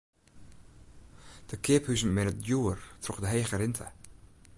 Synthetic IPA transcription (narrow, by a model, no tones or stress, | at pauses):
d̥əkʰɪəphysənmɛnətjuərtrɔχdəɦeːχəɾɪntʰə̰